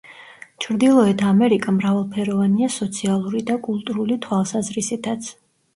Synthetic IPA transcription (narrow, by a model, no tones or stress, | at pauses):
t͡ʃʰɾd̪ilˠɔɛt̪ʰamɛɾikʼamɾavalˠpʰɛɾɔvaniasɔt̪sʰialˠuɾid̪akʼulˠt̪ʼuɾulit̪ʰwalˠsazɾisit̪ʰat̪sʰ